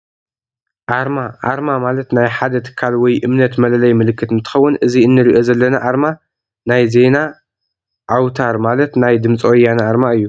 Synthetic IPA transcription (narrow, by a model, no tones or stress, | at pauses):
ʔaɾmaʔa̰ɾmamalɐt̪najħad̪ɐt̪ʰɨ̥kʰːalwɔjʔɨmnɐt̪mɐlɐlɐjmɨlɨkːɨt̪ɨnt̪ʰɨ̥xɐwːʊnʔɨziɨnːɨɾiʔo̞zɐlːɐnɐʔaɾma | najze̞na | ʔawt̪ʰaɾmalɐt̪najd̪ɨmt͡sʼwjanʔaɾmaɨjːu